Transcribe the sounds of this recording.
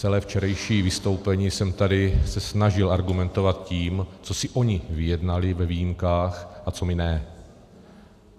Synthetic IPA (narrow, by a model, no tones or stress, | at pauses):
t͡sɛlɛːft͡ʃɛɾɛjʃiːvɪst̪o̞wpɛɲiːsɛmt̪adɪsɛsnaʒɪlʔaɾɡumɛnt̪o̞vat̪̚ciːmt͡so̞sɪʔo̞ɲɪvɪjɛdnalɪvɛvijimkaːxʔat͡so̞mɪnɛ